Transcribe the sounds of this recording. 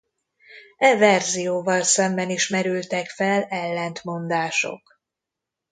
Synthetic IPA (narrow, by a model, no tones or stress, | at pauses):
ɛvɛrzijoːvɒlsɛmbɛniʃmɛɾylt̪ɛkfɛlɛlːɛnt̪mo̞nd̪aːʃo̞̰k